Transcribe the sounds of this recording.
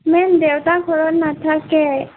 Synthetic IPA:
mɛnd̪ewt̪akʰɔɾɔnat̪ʰakɛ

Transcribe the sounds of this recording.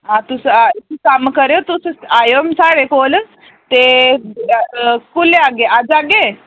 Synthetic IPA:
ɦãt̪ust̪ikamkəɾjot̪ussajomsaɽekol | t̪e | kuleaɡead͡zaɡe

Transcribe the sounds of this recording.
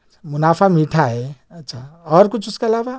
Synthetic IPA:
t͡ʃʰamunapʰamiʈʰaeətːt͡ʃʰaɔɾkut͡ʃʰusʰkelaba

